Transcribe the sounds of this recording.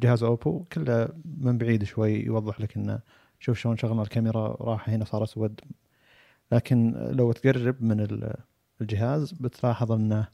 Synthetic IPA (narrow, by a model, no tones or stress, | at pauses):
d͡ʒɪhaːzʔoːpukɪlːamɪmbaʕiːd̪ʃwajːjwɑðˤːɨħlɪkʔɪnːa̰ | ʃuːfʃoːnʃaɣlnalkamɪɾa̰ɾˤɑːħhɪnasˤɑːɾˤʔaswad̪ | laːkɪnlawat̪ɡarˤːɑbmɪnɪl | ld͡ʒɪɦaːzbɪt̪lɑːħɑðˤɪnːa